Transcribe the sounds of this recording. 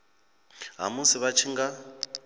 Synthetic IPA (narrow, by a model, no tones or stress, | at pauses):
ɦa̰musiβat͡ʃʰiŋɡa